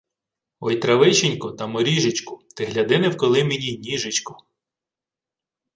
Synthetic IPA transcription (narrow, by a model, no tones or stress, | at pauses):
ɔjt̪ɾɐʋɪʃɪnʲkɔt̪ɐmɔɾʲiʒɪt͡ʃkʊt̪ɪɦlʲɐd̪ɪnɛwkɔlˠɪmenʲinʲiʒɪt͡ʃkʊ